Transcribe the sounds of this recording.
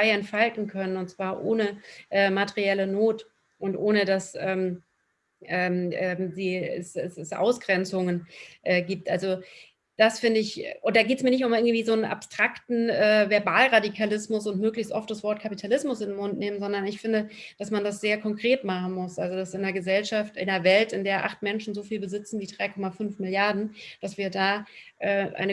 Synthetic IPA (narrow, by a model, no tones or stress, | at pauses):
aɪɛntfaltn̩kʰœnənʊntt͡sv̥aːɐʔoːnəʔɛːmateʁiɛlənoːt | ʔʊntʔoːnədasʔɛːm | ʔɛːmʔɛːmziːɛ̰sɛsɛsʔa̰ʊsɡ̥ʁɛnt͡sʊŋənʔɛːɡiːp̚tʔalzo | d̥asfɪndəɪçʔʊnd̥aːɡeːtsmiɐnɪç̬tʊmɪɐɡŋ̩tv̥iːzoːnənʔa̰pstʁ̥aktn̩ʔɛːvɛɐbaːlʁadikʰalɪsmʊsʊntmøːklɪçstʔɔft̚d̥asvɔɐt̚kʰapitʰalɪsmʊsɪndnmʊntneːmənzɔndɐnɪçfɪndəd̥asmandas̬z̥eːɐkʰɔŋkʁ̥eːtmaχn̩mʊsʔalzodasɪneːɐɡəzɛlʃaftɪ̰nɐvɛltɪndeːɐʔa̰χtmɛnʃn̩zoːfiːlbəzɪt͡sn̩viːdʁaɪkʰɔmafʏnfmɪljaɐdn̩d̥asv̥iːɐdaːʔɛːʔa̰ɪnə